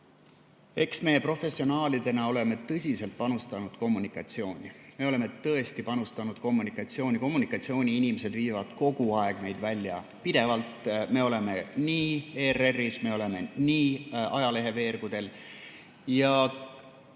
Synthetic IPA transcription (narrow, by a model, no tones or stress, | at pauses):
e̞ksme̞ːpro̞fe̞sːio̞nɑːlid̪̥e̞nɑo̞le̞me̞t̪ɤsʲise̞lt̪̚pɑnust̪ɑnud̪̥ko̞mːunikˑɑt̪sio̞ːnʲime̞o̞le̞me̞t̪ɤe̞st̪ipɑnust̪ɑnud̪̥ko̞mːunikˑɑt̪sio̞ːnʲiko̞mːunikːˑɑt̪sio̞ːnʲiinʲimese̞d̪viːvɑd̪̥ko̞ɡ̥uɑe̞ɡ̥ne̞jd̪̥vælʲːjɑ̰ | pid̪e̞vɑlt̪me̞o̞le̞me̞niːererːisme̞o̞le̞me̞niːɑjɑle̞ɦe̞ve̞ːɾɡ̥ud̪̥e̞l | jɑ